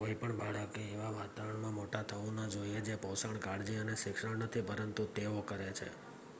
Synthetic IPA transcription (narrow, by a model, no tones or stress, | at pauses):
koipəɳbaɽəkeːʋaʋat̪aʋəɳmãmoʈat̪ʰəʋũnad͡ʒoied͡ʒepəwsaɳkaɽd͡ʒiəneʃɪkʂəɳnət̪ʰipəɾənt̪ut̪eokəɾet͡ʃʰḛ